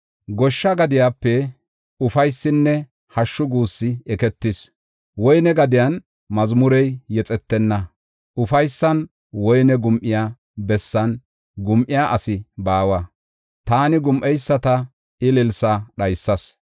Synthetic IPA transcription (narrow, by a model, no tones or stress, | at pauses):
ɡɔʃːɐɡɐd̪ɪjaːpːɛ | ʊfɐjsːɪnːɛ | hɐʃːʊɡuːsːɪɛkɛt̪ːɪs | wɔjnɛɡɐd̪ɪjan | mɐzmʊɾɛjːɛt͡sʼɛt̪ːɛnːɐ | ʔʊfɐjsːɐn | wɔjnɛɡʊmʔɪjaː | bɛsːɐn | ɡʊmʔɪjaʔɐsɪbaːwɐ | t̪aːnɪɡʊmʔɛjsːɐt̪ɐ | ɪlɪlsɐɗɐjsːɐs